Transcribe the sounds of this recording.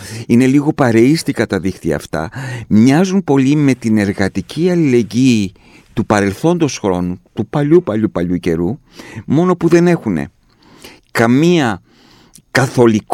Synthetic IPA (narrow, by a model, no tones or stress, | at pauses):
ine̞liɣo̞pɐɾe̞ist̪ikɐt̪ɐðixt̪iɐ̰ːft̪ɐ̰mɲɐzunpo̞lime̞t̪ine̞ɾɣɐt̪icʰiɐlile̞ɲɟiː | t̪upɐɾe̞lθo̞nd̪o̞sxɾo̞nut̪upɐʎupɐʎupɐʎuce̞ɾu | mo̞no̞puðe̞ne̞xune̞̰ | kɐmiɐ | kɐθo̞lik